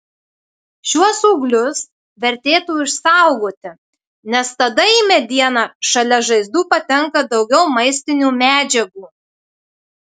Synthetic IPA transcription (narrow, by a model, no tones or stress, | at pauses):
ʃʲuɔsʊːɡlʲʊs | ʋʲɛɾʲt̪ʲeːt̪uːɪʃsɑˑʊɡoːt̪ʲɪ | nʲɛst̪ɐd̪ɐimʲɛd̪ʲiɛnɑʃɐlʲɛʒɐɪzd̪uːpɐt̪ʲɛŋkɐd̪ɒʊɡʲɛʊmɐɪsʲt̪ʲɪnʲuːmʲæːd͡ʒʲɛɡuː